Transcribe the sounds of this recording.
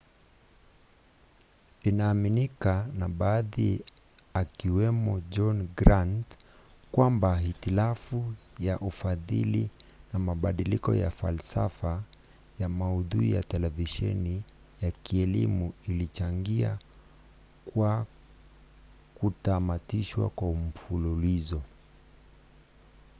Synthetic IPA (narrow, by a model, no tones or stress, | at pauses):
inaːminikanaɓaːði | akiwɛmɔd͡ʒɔnɡɾantkwambaɦitilafujaʔufaðḭlinamaɓaɗilikɔ̰ja̰fa̰lsa̰fa | jamauðuija̰tɛlɛviʃɛ̰ni | jakiɛlimuilit͡ʃaŋɡia | kwa | kutamatiʃwa̰kwaum̩fululizɔ